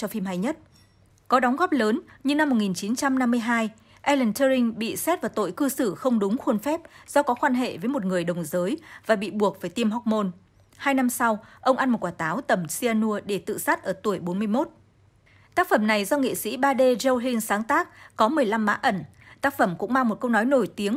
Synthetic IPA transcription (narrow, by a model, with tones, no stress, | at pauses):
t͡ɕɔ˧fi˧mɦa˧jɲə˦˥t̚ | kɔ˨˦ɗɔ˨˦wŋ͡mɣɔ˦˥p̚ləː˨˦nɲɨ˧na˧mː˨˩t̚ŋi˨˩nt͡ɕi˨˦nt͡ɕa˧mna˧mːɨ˧əjɦaː˧j | ʔɛ˧lə˨˩nt̪ə˧ï˧ŋɓḭ˧˨sɛ˦˥t̚vaː˨˩t̪o̰˧˨jkɨ˧sɨ˧˩xə˧wŋ͡mɗʊ˨˦ŋ͡mxwu˧ənfɛ˦˥p̚z̥ɔ˧˦kɔ˨˦kwaː˧nɦḛ˧˨vəː˨˦jmo˨˩t̚ŋɨ˨˩əjɗə˨˩wŋ͡mzəː˨˦jvaː˨˩ɓḭ˧˨ɓu˨˩ək̚vaː˧˩jt̪i˧əmɦɔ˦˥k͡p̚mo˧n | haː˧jna˧msa˧wʔə˧wŋ͡mʔa˧nmo˨˩kwaː˧˩t̪aː˨˦wt̪ə˧˩msi˧aː˧nu˧əɗe˧˩t̪ɨ̰˧˨sa˦˥t̚ʔəː˧˩t̪u˧˩əjɓo˨˦nmɨ˧əjmo˦˥t̚ | t̪aː˦˥k̚fə˧˩mna˨˩jzɔ˧ŋḛ˧˨sḭ˧˥ɓaː˧ɗe˧zə˧wli˧ŋsaː˨˦ŋt̪aː˦˥k̚ːɔ˨˦mɨ˨˩əjla˧mːa̰ː˧˥ʔə˧˩n | t̪aː˦˥k̚fə˧˩mkʊ̰˧˥ŋ͡mmaː˧ŋmo˨˩t̚kə˧wnɔ˨˦jno˧˩jt̪i˨˦əŋ